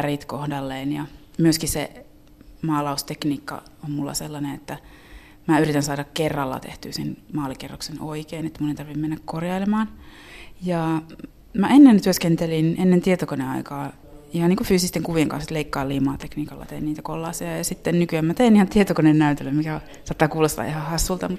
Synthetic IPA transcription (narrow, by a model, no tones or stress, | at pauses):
ærit̪kohdɑlːeːnjɑ | myøskisḛ | mɑːlɑust̪ekniːkːɑ̰ommulːɑ̰selːɑneet̪ːæ | mæyrit̪ænsɑːdɑkkerːɑlːɑ̰t̪ḛht̪y̰ːsḛnmɑːlikerːo̰ksenoikeːnet̪ːæmunent̪ɑrʋimmenːækkorjɑilemɑːn | jɑ | mæenːent̪yøskent̪elinenːent̪iet̪okoneɑ̰ikɑː | ihɑniːŋkufyːsist̪eŋkuʋieŋkɑ̰nset̪leikːɑːlːiːmɑ̰ːt̪ekniːkɑlːɑ̰t̪einniːt̪ækolːɑːsiɑjɑsit̪ːennykyæmmæt̪einihɑnt̪iet̪okonennæyt̪elːømmikæ | sɑːt̪ːɑːkuːlːɑst̪ɑ̰ihɑhɑsːult̪ɑmut̪